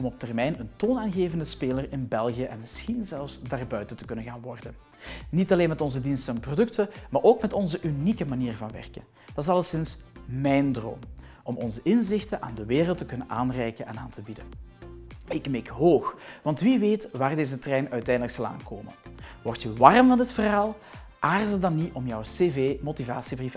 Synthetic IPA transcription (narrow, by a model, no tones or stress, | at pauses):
ɔmɔp̚tɛrmɛjnəntoːnaːnɣeːvəndəspeːlərɪnbɛlˠɣijəʔɛnmɪsxinzɛlˠfsdaːrbœɥtəntə̥kɵnənɣaːnʋɔrdən | nitɑleːnmɛtɔnzədinstənɛnprodɵktəmaːrʔoːkmɛtɔnzəʔynikəmaniːrvɑnʋɛ̰rkən | d̥ɑtɪsɑlˠəsɪnsmɛjndro̰ːm | ɔmɔnzəʔɪnzɪxtənʔa̰ːndəʋeːrəlˠtəkɵnənʔaːnrɛjkənʔɛnaːntəbidə | ɪkmɛkɦoːxʋɑntʋiʋeːtʋaːrdeːzətrɛjnœɥtɛjndələkszɑlˠa̰ːnkoːmə̰nwɔrtjəʋɑrmvɑndətfərɦaːlˠ | ʔaːrzədɑniʔɔmjɔwseːveːmotiva̰ːsibrif